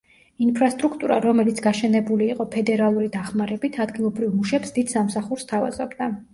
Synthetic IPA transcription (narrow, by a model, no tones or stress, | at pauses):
inpʰɾast̪ʼɾukʰt̪ʼuɾa̰ɾɔmɛlit̪sʰɡaʃɛnɛbuliːqʼɔpʰɛd̪ɛɾalˠuɾid̪aχmaɾɛbit̪ʰad̪ɡilˠɔbɾivmuʃɛpsd̪id̪̥samsaχuɾst̪ʰava̰zɔbd̪a